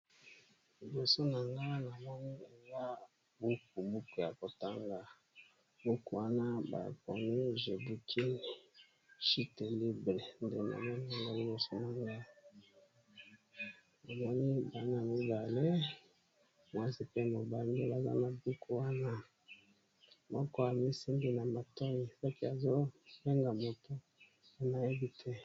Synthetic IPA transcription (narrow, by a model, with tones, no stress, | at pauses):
li˨bo˨so˦na˨ŋɡa˦na˨mɔ˦ni˦e˨za˦ | bu˦k̚u˨bu˦ku˨ja˨ko˨ta˦ŋɡa˨ | bu˦ku˨wa˦na˦ba̰˨pɔ̰˨ni˦ʒe˨bu˨kʰi˦˨ | ʃi˦te˨li˦bʁe˨nde˨na̰˨mɔ˦ni˦a˨ŋɡa˦li˨bo˨so˦na˨ŋɡa˦˨ | a˨mɔ˦ni˦ba˨na˨mi˦ba˨le˦ | mwa˦zi˨pe˦mo˨ba˨ŋɡi˦ba˨za̰˦na˨bu˦kʰu˨wa˦na˦ | mɔ˦kɔ˦a˨mi˦si˦mbi˦na˨ma˨tɔ˦ji˨sa˦ki˦a˨zo˦be˦ŋɡa˨mo˨to˦ | a˨na˨e˦bi˦tʰɛ˦